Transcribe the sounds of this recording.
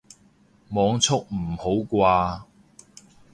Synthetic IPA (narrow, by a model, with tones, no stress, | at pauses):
mɔː˨˧ŋt͡sʰʊ˥k̚m̩˨˩ho˨˥wkʷaː˧